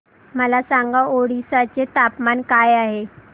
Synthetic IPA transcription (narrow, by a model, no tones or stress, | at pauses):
məlasaŋɡaoɽisat͡ɕet̪apmankajaɦe